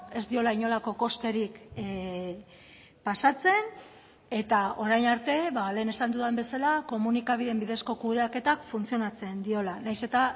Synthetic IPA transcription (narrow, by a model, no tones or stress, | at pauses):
e̞zd̪io̞laiɲo̞lako̞ko̞st̪e̞ɾik | pasat͡se̞n | e̞t̪ao̞ɾajnaɾt̪e̞βale̞ːne̞sand̪uðembe̞salako̞munikaβ̞iðe̞mbiðe̞sko̞kuðeake̞t̪akfunt͡sio̞nat͡se̞nd̪io̞lanajse̞t̪a